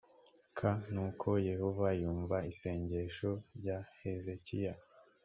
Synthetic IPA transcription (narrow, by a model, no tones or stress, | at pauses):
kʰanuːkʰo̞je̞hovajuːɱvaise̞ːɲɟe̞ʃoɾɟahe̞ze̞cija